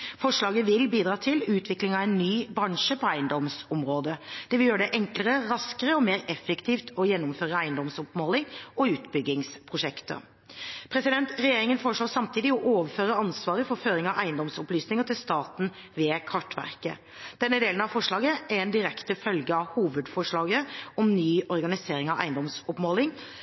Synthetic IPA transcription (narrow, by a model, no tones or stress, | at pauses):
fɔʂɭɑːɡəʋɪlbiːd̪ɾɑːt̪ʰɪlʉːt̪ʰʋɪklɪŋɑʋɛnːyːbɾɑŋʂəpʰɔæɪənd̪ɔmsɔmɾoːd̪əd̪̥ɛʋɪljøːɾəɖɛʔɛŋkləɾəɾɑskəɾəɔmeːɾɛfːəkt̪ʰiːft̪ʰɔjɛnːɔmføːɾəæɪənd̪ɔmsɔpmoːlɪŋɔʉːt̪bʏɡɪŋspʰʁʊʂɛkt̪ə̰ | pʰɾɛsɪd̪ɛnt̪ɾɛjeːɾɪŋənfɔːəʂɭoːsɑmt̪ʰiːd̪ɪɔʔoːʋəføːɾəɑnsʋɑːɾəfɔɾføːɾɪŋɑʋʔæɪənd̪ɔmsɔplyːsnɪŋət̪ʰɪlst̪ɑːt̪n̩ | ʋeːkʰɑʈʋæ̰ʁkə̰ | d̪̥ɛnːəd̪eːlnɑʋfɔʂɭɑːɡəæɾɛnd̪ɪɾɛkt̪əfœlɡəɑʋhuːʋəd̪fɔʂɭɑːɡəɔmnyːʔɔɾɡɑnɪseːɾɪŋɑʋʔæ̰ɪənd̪ɔmsɔpmoːlɪŋ